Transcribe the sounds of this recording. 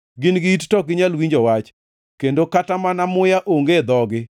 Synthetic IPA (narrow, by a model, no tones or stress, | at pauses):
ɡɪnɡɪittɔɡɪɲalwiɲd͡ʒɔwat͡ʃ | kendokatamanamʊjaʔoŋɡed̪ɔɡɪ